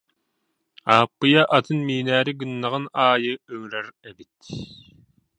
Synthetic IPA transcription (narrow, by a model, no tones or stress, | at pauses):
aːpːɯjaʔat̪ɯnmiːnæːɾiɡɯnːaʁɯnaːjɯœŋyɾɛɾɛbit̪